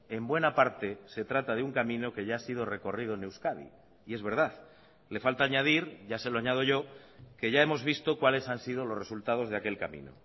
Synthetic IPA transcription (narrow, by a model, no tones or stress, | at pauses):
e̞mbwe̞napaɾt̪e̞se̞t̪ɾat̪aðeuŋkamĩno̞ke̞ʝaasiðo̞re̞ko̞rið̞onewskaðḭː | e̞zβe̞ɾðaθ | le̞falt̪aːɲað̞iɾɟ͡ʝase̞loaɲað̞o̞ʝo̞ke̞ʝaemo̞zβ̞ist̪o̞kwale̞sansið̞o̞lo̞zre̞sult̪að̞o̞zðake̞lkamḭ̃no̰